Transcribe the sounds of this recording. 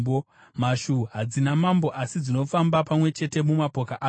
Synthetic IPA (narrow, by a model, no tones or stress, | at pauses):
o | maʃuɦad͡zinamambo̞ʔasid͡zino̞fambapamwe̞t͡ʃe̞te̞mumapo̞kaʔaː